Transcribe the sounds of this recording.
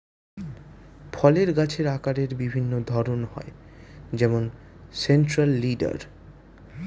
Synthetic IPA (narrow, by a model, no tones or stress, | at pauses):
fʰɔleɾɡat͡ɕʰeɾakaɾeɾbibʱinːod̪ʱɔɾonhɔ̰ed͡ʑɛmonsenʈɾalːiɖa̰ɾ